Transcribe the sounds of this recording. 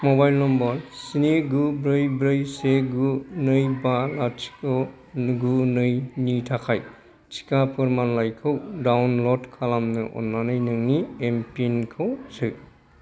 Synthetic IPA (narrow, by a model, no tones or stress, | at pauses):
mɔbajlnɔmbɔlsineɡubɾɯjbɾɯjseɡunɯjbalat͡ʃi̥kɯ | ɡunɯjnitʰakʰaj | t͡ʃi̥kapʰɯɾmanlajkʰɯwdawnlɔdkʰalamnɯʔɔ̰nːanɯjnɯŋniempinkʰɯwsɯ